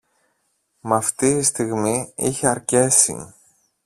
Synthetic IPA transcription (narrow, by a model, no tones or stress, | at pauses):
mɐft̪iist̪iɣmiiçeɐɾce̞sḭ